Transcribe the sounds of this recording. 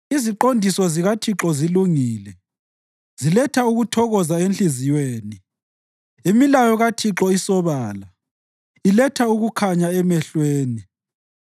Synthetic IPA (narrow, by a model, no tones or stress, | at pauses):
iziǃondʱisɔziɣatʰiǁɔziluŋiːlɛ | z̥ilɛtʰauɣutʰɔɣɔzaenɬizijweːni | imilajɔɣatʰiǁɔisɔβaːla | ilɛtʰauɣukʰaɲaɛmɛɬweːni